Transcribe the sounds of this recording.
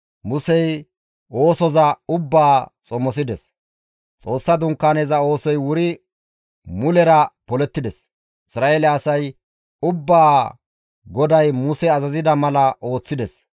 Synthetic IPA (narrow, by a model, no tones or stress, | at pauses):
mʊsɛj | o̞ːsɔzɐʊbːaːt͡sʼɔmːɔs̬ɪd̪ɛs | t͡sʼo̞ːsːɐd̪ʊŋkːaːneːzɐo̞ːsɔjwʊɾɪ | mʊlɛɾɐpɔlɛt̪ːɪd̪ɛs | ɪsɾaːeːlɛɐsɐj | ʊbːaː | ɡɔd̪ɐjmʊsɛɐzɐzɪd̪ɐmɐlɐʔo̞ːt͡sːɪd̪ɛs